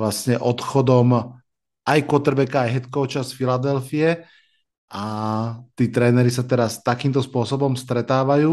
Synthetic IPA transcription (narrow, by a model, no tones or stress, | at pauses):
lasɲɛʔɔt̪xɔd̪ɔm | ajkʊɔt̪ɛɾbɛkaːjɦɛt̪kɔʊt͡ʃasfilad̪ɛlfijɛ | at̪iːt̪ɾɛːnɛɾisat̪ɛɾast̪akiːmt̪ɔspʊɔsɔbɔmst̪ɾɛt̪aːʋajuː